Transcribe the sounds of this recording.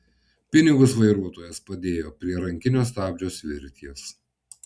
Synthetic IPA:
pʲɪnʲɪɡʊsʋɐɪɾuɔt̪oːjɛspɐd̪ʲeːjoːpʲɾʲiɛɾɐŋʲkʲɪnʲoːs̬t̪ɑːbʲd͡ʒʲoːsʋʲɪ̰ɾʲt̪ʲiɛs

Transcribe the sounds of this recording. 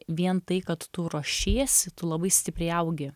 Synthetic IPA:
ʋʲiɛnt̪ɐɪkɐt̪ːʊɾoʃʲiːɛsʲɪt̪ʊlˠɐbɐɪsʲt̪ʲɪpʲɾʲɛɪɐʊɡʲɪ

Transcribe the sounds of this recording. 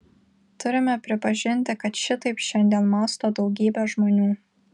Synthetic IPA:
t̪ʊɾʲɪmʲɛpʲɾʲɪpɐʒʲɪnʲt̪ʲɪkɐt̪ʃʲɪt̪ɐɪpʃʲɛnʲd̪ʲiɛnmɑːst̪oːd̪ɒʊɡʲiːbʲɛʒmoːnʲuː

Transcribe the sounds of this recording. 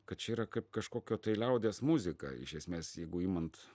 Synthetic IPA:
kɐt̪t͡ʃʲɛiːɾɐkɐɪpkɐʃkoːkʲoːt̪ɐɪlʲɛʊd̪ʲeːsmuzʲɪkɑ̰ɪ̰ʃʲɛsʲmʲeːsjɛɪɡʊimɐnt̪

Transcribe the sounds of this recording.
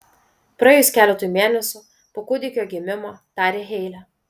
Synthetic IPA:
pɾɐɛjʊsʲkʲæːlʲɛt̪uːjumʲeːnʲɛsʲu | poːkʊd̪ʲɪkʲoːɡʲɪmʲɪmoːt̪ɑːɾʲeːɦʲɛɪlʲɛ

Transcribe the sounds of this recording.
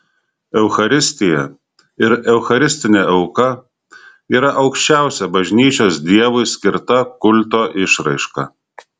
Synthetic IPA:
ɛʊxɐɾʲɪsʲt̪ʲɪjɛ | ɪɾɛʊxɐɾʲɪsʲt̪ʲɪnʲeˑɛʊkɐ | iːɾɐʔɐʊkʃʲt͡ʃʲæˑʊsʲɛbɐʒʲnʲiːt͡ʃʲoːsd̪ʲiɛʋʊɪsʲkʲɪɾt̪ɐkʊlʲˑt̪oːʔɪʃɾɐɪʃkɐ̰

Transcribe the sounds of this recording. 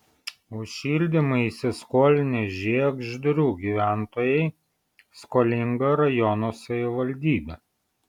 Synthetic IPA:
ʊʃʃʲiːlʲd̪ʲɪmɐɪisʲɪskoːlʲɪnʲɪʒʲiɛɡʒʲd̪ɾʲuːɡʲiːʋʲæˑnt̪oːjɛɪ | skoːlʲɪŋɡɐɾɐjɔnoːsɐʋʲɪʋɐlʲd̪ʲiːbʲɛ

